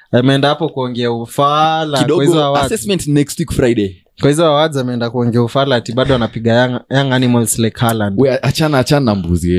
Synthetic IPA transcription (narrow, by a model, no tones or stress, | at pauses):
amɛɛndahapɔkuɔŋɡɛaufalakikɗɔwahizɔawaasɛsmɛ̃ntnɛkstwikfɾajɗe | kwahizɔawazamɛɛndakuɔŋɡɛaufalatiɓaɗɔanapiɠaajaŋanimɔlslɛkʰalandɛaat͡ʃanaːt͡ʃananambṵziɛ